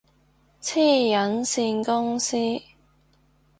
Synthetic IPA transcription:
t͡sʰiː˥˩jɐ˨˥nsiː˧nkʊ˥ŋsiː˥

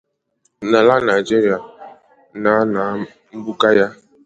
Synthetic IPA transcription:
na˨la˦na˨d͡ʒe˦ɾi˨a˨ | na˨˦na˨˦ | m̩˦bu˦ka˦ja˦

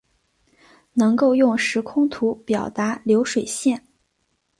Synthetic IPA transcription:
nɤ˧˥ŋko˥˧ʊjʊ˥˩ŋʂɻ̩˧˥kʰʊ˥ŋt̪ʰu˧˥pjɑ˨˩ʊt̪a˧˥ljo˧˥ʊʂwe˨˩ɪɕjɛ˥˩n

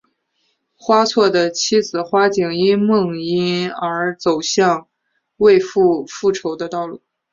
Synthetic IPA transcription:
xwa˥t͡sʰwɔ˥˩d̪ə˩t͡ɕʰi˥d͡zɹ̩˨˩xwa˥t͡ɕi˨˩ŋi˥nmɤ˥˩ŋi˥nə˞˧˥t͡so˨˩ʊɕjɑ˥˧ŋ | we˥˧ɪfu˥˧fu˥˩ʈ͡ʂʰo˧˥ʊd̪ə˧t̪ɑ˥˧ʊlu˥˩

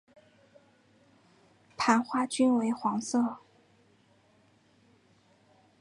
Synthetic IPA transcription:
p̪ʰa˧˥nxwa˥˩t͡ɕy˥nwe˧˥ɪxwɑ˧˥ŋsɤ˥˩

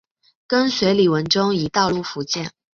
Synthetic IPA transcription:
kə˥nswe˧˥ɪli˨˩wə˧˥nʈ͡ʂʊ˥ŋi˧˨˩t̪ɑ˥˧ʊlu˥˩fu˧˥t͡ɕjɛ˥˩n

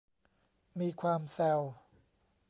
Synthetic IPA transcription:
miː˧kʰwaː˧msɛ˧w

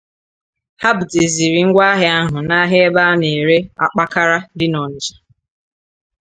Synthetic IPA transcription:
ha˦bu˨te˨zi˨ɾi˨ŋ̩˦ɡʷa˦ɦɪ˦a˦ɦʊ˨na˦ɦe˦e˦ba˦ne˨ɾe˦a̰˦k͡pa˦ka˦ɾa˦dɪ˦nɔ˨n̩˨d͡ʒḁ˨

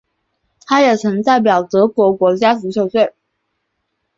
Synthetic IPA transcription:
t̪ʰa˥jɛ˨˩t͡sʰɤ˧˥ŋt̪a˥˩ɪp̬jɑ˨˩ʊt̪ɤ˧˥kwɔ˧˥kwɔ˧˥t͡ɕja˥s̩˧˥ɕʰjo˨˥˩ʊɕwe˥˩ɪ

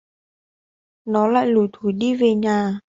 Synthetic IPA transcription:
nɔ˨˦la̰ː˧˨jlu˨˩jt̪ʰu˨˧˩jɗi˧ve˨˩ɲaː˨˩

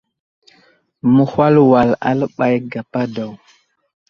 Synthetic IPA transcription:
mu˦hwa˦lwa˨la̰˦lɓa˨jɡa˨pa˦da˨w

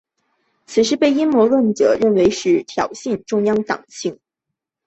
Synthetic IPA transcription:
t͡sʰɹ̩˨˩ʂ̬ɻ̩˥pe˥˩ɪi˥nmwɔ˧˥lwə˥˩nʈ͡ʂɤ̰˨˩ɻə˥˩nwe˧˥ɪʂɻ̩˥˩t̪ʰjɑ˨˩ʊɕi˥˧nʈ͡ʂʊ˥˧ŋjɑ˥ŋt̪ɑ̰˨˩ŋɕi˥˩ŋ

